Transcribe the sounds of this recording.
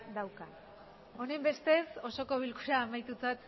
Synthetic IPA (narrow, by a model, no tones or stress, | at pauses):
d̪awka | o̞ne̞mbe̞st̪e̞so̞so̞ko̞βilkuɾaːmajt̪ut͡sat̪